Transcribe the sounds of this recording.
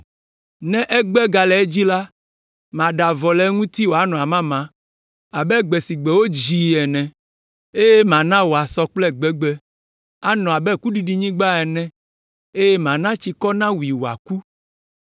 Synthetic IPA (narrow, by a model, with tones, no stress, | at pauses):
nɛ̃˦ʔɛ˦ɡ͡bɛ˦ɡa˨lɛ˨ɛ˦d͡ʑi˦la˦ | mã˨ɖa˨vɔ˨lɛ˦ŋũ˦t̪i˦wo˨a˨nɔ̃˨a˨mã˦mã˨ | a˨bɛ˦ɡ͡bɛ˨si˨ɡ͡bɛ˨wo˦d͡ʑi˨ɛ˨nɛ̃˨ | e˦jɛ˦mã˨nã˦wo˨a˨sɔ˦k͡plɛ˦ɡ͡bɛ˦ɡ͡bɛ˦ | a˦nɔ̃˨a˨bɛ˦ku˦ɖi˨ɖi˦ɲĩ˦ɡ͡ba˦ɛ˨nɛ̃˦ | e˦jɛ˦mã˨nã˦t͡ɕi˨kɔ˦nã˦wi˨wo˨a̰˨ku˦